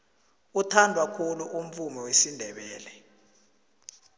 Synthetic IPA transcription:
utʰandʱwakʰuluʔum̩fumɛwesindʱɛɓɛːlɛ

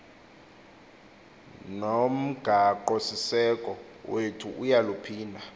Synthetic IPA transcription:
nom̩ɡ̥ʱaǃosisɛkʼɔ | wʔetʰuʔujalupʰiːndʱa

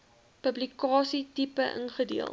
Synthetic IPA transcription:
pəblikɑːsitipəʔə̰nχədiəlˠ

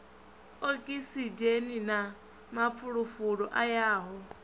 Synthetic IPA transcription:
okʼisid͡ʒenina | map̪fʰuɺufuɺɔʔajaːɦɔ

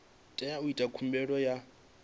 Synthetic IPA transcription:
tʼɛjauitʼakʰum̩bɛɺɔja

